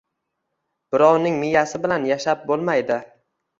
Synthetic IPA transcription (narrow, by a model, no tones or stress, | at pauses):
b̥ɪɾɒwnɪŋmɪjasɪbɪlanjaʃap̚bolˠmajd̪ɪ